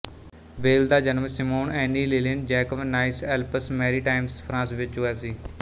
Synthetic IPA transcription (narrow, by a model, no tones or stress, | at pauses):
ʋeːld̪aːd͡ʒənəmsɪmoːnɛːniːleːlɪnd͡ʒɛːkəʋnaːɪsɛːlpəsmɛːɾiːʈaːɪmspʰɾãːsʋɪt͡ʃɦʊɛːsiː